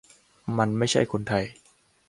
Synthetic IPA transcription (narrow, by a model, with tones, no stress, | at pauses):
ma˧nma˥˩jt͡ɕʰa˥˩jkʰo˧nt̪ʰa˧j